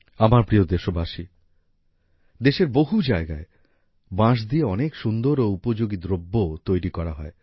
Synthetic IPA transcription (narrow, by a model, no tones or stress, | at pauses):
amaɾpɾiod̪eʃobaʃi | d̪eʃeɾboɦud͡ʑaeɡae | bãʃ̬d̪ieɔnekʃund̪oɾoupod͡ʑoɡid̪ɾobːot̪ojɾikɔɾaɦɔe